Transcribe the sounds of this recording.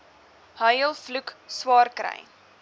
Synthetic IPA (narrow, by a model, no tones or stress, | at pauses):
həjəlˠflukswɑːrkɾə̰j